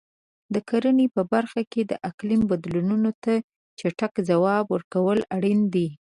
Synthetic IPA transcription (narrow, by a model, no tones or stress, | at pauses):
d̪əkaɾənepəbaɾxaked̪ə̰ʔaklimbad̪lununot̪a | t͡ʃaʈakzawɑbwəɾkawəlaɽind̪i